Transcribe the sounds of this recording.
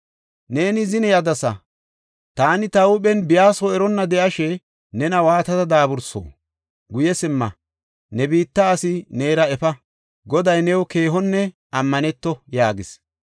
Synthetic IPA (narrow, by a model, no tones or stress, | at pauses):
ne̞ːnɪzɪnɛjɐd̪ɐsɐ̰ | t̪aːnɪt̪ɐwʊɓɛnbɪjaːsɔɛɾɔnːɐd̪ɛʔɐʃɛ | nɛnɐwaːt̪ɐt̪ɐd̪aːbʊɾso̰ː | ɡʊjɛsɪmːɐ | nɛbiːt̪ːɐːsɪneːɾɐɛfɐ | ɡɔd̪ɐjnɛwɔke̞ːɦɔnːɛ | ɐmːɐnɛt̪ːɔjaːɡɪs